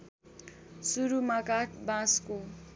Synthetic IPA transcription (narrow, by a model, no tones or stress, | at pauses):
suɾumakaʈbasku